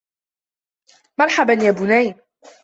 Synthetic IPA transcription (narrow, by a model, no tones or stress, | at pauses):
mɑɾˤħabanjaːbʊnaj